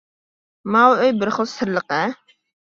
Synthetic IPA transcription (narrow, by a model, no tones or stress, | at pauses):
mɑwøjbɪɾχəlˠsɨɾlˠəqə